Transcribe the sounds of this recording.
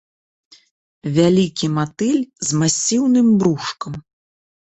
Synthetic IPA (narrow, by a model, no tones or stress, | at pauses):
vʲalʲikʲimat̪ɨlʲzmasʲiwnɨmbɾuʂkɐm